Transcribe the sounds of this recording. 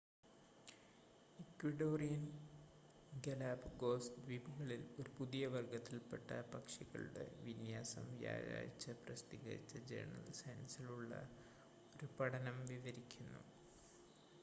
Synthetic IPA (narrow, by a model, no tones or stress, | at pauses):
ikʋiɖoːrijɐn | ɡɐlaːbɡoːsʋibuɣɐɭilo̞ɾupuðijɐʋɐrɡɐt̪ːilpeʈːɐpɐkʂiɣɐ̰ɭṵɽḛʋinjaːsɐ̰mʋja̰ːja̰ːjit͡ɕːɐprɐst̪iɣɐ̰ɾḭt͡ɕːɐd͡ʑḛɾɳɐ̰lsɐjnsiluɭːɐ̰ | o̞ɾupɐɽɐnɐmʋiʋɐɾikʲːunːṵ